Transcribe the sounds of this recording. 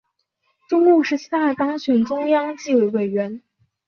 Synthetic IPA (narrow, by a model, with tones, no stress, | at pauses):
ʈ͡ʂʊ˥ŋu˥˩ʂɻ̩˧˥t͡ɕʰi˥t̪a˥˩t̪ɑ˥ŋɕɥɛ˨˩nʈ͡ʂʊ˥ŋjɑ˥ŋt͡ɕi˥˩we˨˧˥ɪwe˨˩ɪɥɛ˧˥n